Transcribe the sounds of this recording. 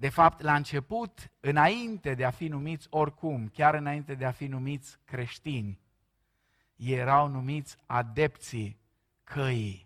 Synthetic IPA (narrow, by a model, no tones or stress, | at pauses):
d̪e̞fapt̪laɨnt͡ʃe̞put̪ɨnaint̪e̞d̪eafinumit̪sʲo̞rʲkumkʲaɾɨnaint̪e̞d̪eafinumit̪sʲkɾe̞ʃt̪inʲ | jeɾawnumit̪sʲad̪e̞pt̪si | kʰəji